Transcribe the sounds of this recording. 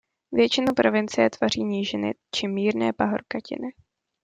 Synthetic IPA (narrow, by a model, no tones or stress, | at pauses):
vjɛt͡ʃɪnupɾovɪnt͡sɪɛt̪var̝iːɲiːʒɪnɪ̰t͡ʃɪmiːɾnɛːpaɦoɾkacɪ̰nɪ